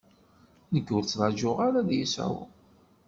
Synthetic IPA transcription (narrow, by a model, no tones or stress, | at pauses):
nəkːʊɾt͡sːðˤɑʒʊʁaɾaðjisæ̰w̰